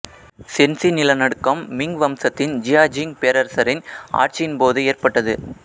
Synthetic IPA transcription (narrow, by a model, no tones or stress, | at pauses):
sɛnsinɪlɐnɐɽɯkːɐmːɪŋɡʋɐmsɐt̪ːɪnd͡ʒɪjaːd͡ʒɪŋpeːɾɐɾsɐɾɪna̰ːrt͡ʃijɪnpoːðɯeːrpɐʈːɐðɯ̰